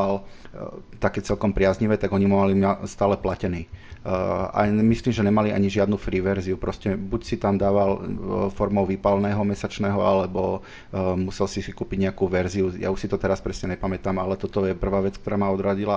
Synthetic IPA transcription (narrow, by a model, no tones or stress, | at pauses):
al | t̪akɛːt͡sɛlkɔmpɾɪazɲiʋɛːt̪aɡɔɲimumalimast̪aːlɛplacɛniː | a̰misliːmʒɛɲɛmalia̰ɲiʒɪad̪nufɾiːʋɛɾziupɾɔscɛbucsit̪amd̪aːʋalfɔɾmɔʊʋipalnɛːɦɔmɛsat͡ʃnɛːɦɔalɛbɔ | musɛlsisikuːpiɟɲɛakuːʋɛɾziuja̰uʃsit̪ɔt̪ɛɾaspɾɛsɲɛɲɛpamɛt̪aːmalɛt̪ɔt̪ɔjɛpr̩ʋaːʋɛt͡skt̪ɔɾaːmaɔd̪ɾad͡ʑila